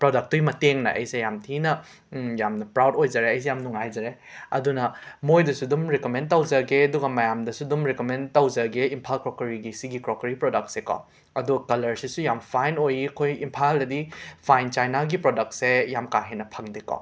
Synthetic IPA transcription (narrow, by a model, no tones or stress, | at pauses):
pɾɔdɐk̚tːojmɐteŋnɐ̰ʔɐ̰jsejamtʰinɐ | jamnɐpɾawdojd͡ʒaɾeɐjs̬ejamnuŋajzɐɾeɐ̰dunɐmojdɐsudumɾikomentɐwzɐɡeɐduɡɐmɐjamdɐsudumɾikomentɐwzɐɡeimpʰalkɾokɐɾiɡisiɡikɾokɐɾipɾodɐk̚tsekɔ̰ | ɐduɡkɐlɐɾsisujampʰajnojikʰojimpʰaldɐdipʰajnt͡ʃajnaɡipɾodɐk̚tsejamkaɦenɐpʰɐŋdekɔ̰